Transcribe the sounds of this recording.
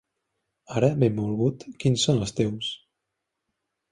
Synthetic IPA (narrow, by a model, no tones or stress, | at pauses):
aɾəbemulɣut̪kinsonəst̪ɛws